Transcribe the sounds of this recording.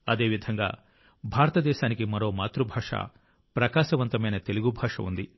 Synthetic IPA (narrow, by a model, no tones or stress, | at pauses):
ɐd̪e̞ːʋid̪ʱɐŋɡa̰ː | bʱaːɾɐt̪ɐd̪ɛːʃaːnikimɐɾo̞ːmaːt̪ɾubʱaːʂa̰ː | pɾɐkaːʃɐʋɐnt̪ɐmɐjnɐt̪e̞luɡubʱaːʂɐ̰ṵnd̪i